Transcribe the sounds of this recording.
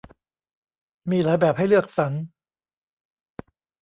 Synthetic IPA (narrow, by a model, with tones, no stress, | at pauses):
miː˧laː˨˦jbɛː˨˩p̚ha˥˩jlɯ˥˩ək̚sa˩˦ŋ